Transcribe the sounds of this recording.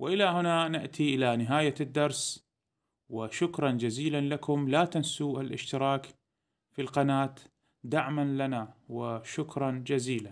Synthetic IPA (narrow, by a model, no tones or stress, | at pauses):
wʔɪʔɪlahʊnanɪʔt̪ʰiʔɪlanɪɦaːjad̪ːɑɾˤs | wɪʃʊkɾˤɑnd͡ʒaziːlanlakʊmlaːt̪ansuːʔɪlʔɪ̰ʃt̪ɪɾˤɑːk | filqanaːt̪ | d̪aʕmanlanawɪʃʊkɾˤɑnd͡ʒaziːlan